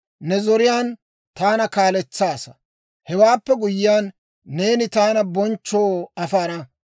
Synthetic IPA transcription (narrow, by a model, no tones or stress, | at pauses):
nɛzɔɾɪjaːn | t̪aːnɐkaːlɛt͡sːaːsɐ̥ | hɛwaːpːɛɡʊjːɪjaːnː | e̞ːnɪt̪aːnɐbɔnt͡ʃːo̞ːɐfaːɾɐ